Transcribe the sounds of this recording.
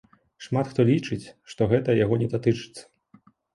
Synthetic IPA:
ʂmat̪xt̪ɔlʲit͡ʂɨt͡sʲʂt̪ɔɣɛt̪ɐjaɣɔnʲɛd̪at̪ɨt͡ʂɨ̥t̪sːɐ̥

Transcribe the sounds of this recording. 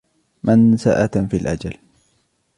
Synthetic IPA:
mʔansaʔat̪nfilʔa̰d͡ʒal

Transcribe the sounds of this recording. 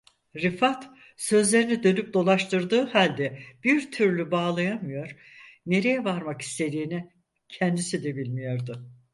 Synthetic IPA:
ɾifat̪ | sø̞zlʲe̞ɾinid̪ø̞nyp̚d̪o̞lˠaʃt̪ʰɯɾd̪ɯːhalʲd̪ɛb̥iɾt̪ʰyɾlʲybaːlˠajamɯjo̞ɾ̥ | ne̞ɾe̞jɛvaɾmaki̥st̪ʰe̞d̪iːni | cʰɛnd̪isid̪ɛbilʲmijo̞ɾd̪ʊ

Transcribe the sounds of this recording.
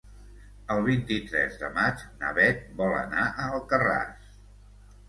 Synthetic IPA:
əlˠβ̞int̪it̪ɾɛ̰zðə̰mad͡ʒnə̰βɛt̪̚bɔlə̰naʔəəlˠkəra̰s

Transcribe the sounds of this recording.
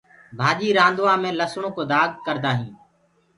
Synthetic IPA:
bʱaːʄiːɾãːnd̪oːaːmẽːləsɳoːkoːd̪aːɡkəɾd̪aːɦĩː

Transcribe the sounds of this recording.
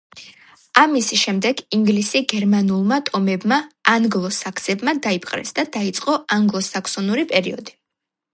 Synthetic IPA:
amisʃɛmd̪ɛɡiŋɡlisiɡɛɾmanulˠmat̪ʼɔmɛbmaːŋɡlˠɔsakʰsɛbmad̪aipʼqʼɾɛ̰sd̪ad̪ait̪sʼqʼɔaŋɡlˠɔsakʰsɔnuɾipʼɛɾḭɔ̰d̪i

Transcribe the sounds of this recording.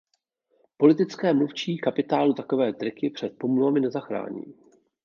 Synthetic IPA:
po̞lɪt̪ɪt͡skɛːmluft͡ʃiːkapɪt̪aːlut̪ako̞vɛːd̪rɪkɪpr̝̥ɛt̪̚po̞mluvamɪnɛzaxɾa̰ːɲḭː

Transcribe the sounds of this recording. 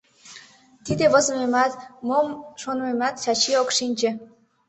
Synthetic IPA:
t̪id̪eβə̆zəmemɑt̪momʃonmemɑt̪t͡ɕɑt͡ɕiokʃinʲt͡ɕĕ

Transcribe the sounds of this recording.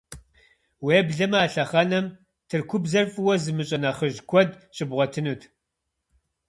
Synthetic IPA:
weːbɮɐmaːɬɐχɐnɐm | tʰɨrkʷʰʊbzɐrfʼɨwɐzɨmɨɕʼɐnɐχəʒkʷʰɔd | ɕʼɪbʁʷɔtʰɨnuːtʰ

